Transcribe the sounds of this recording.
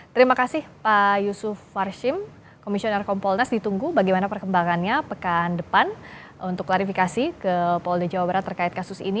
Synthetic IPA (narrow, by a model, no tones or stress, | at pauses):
t̪əɾimakasɪhpajusʊfːarʃɪm | komisiɔnɛrkɔmpɔlnasdit̪uŋɡubaɡajmanapərkəmbaŋanɲapəkandəpan | unt̪ʊklaɾifikasikəpɔldəd͡ʒawabaɾat̪ːərkaɪt̪kasʊsḭni